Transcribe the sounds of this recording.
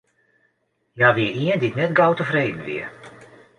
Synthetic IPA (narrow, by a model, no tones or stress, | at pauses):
jaːʋɪəiənditnɛtɡawtəvrejdən̩ʋɪ̰ə